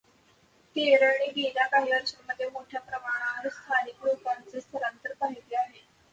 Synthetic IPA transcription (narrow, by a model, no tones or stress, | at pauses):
t̪ieɾəɳ̃iːɡiɾakaɦiəɾɕəməd̪ʱːjemoʈʰjapɾəmaɽ̃aəɾskʰalikɽupant͡sest̪ʰəɾant̪əɾpaɦit̪eaɦe